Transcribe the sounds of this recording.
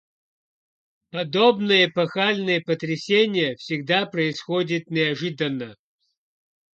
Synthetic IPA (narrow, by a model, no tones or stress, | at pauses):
pɐd̪obnɨjəpɐxalʲnɨjəpət̪ɾʲɪsʲenʲɪjəfsʲɪɡd̪apɾəɪsxodʲɪt̪nʲɪɐʐɨd̪ənːə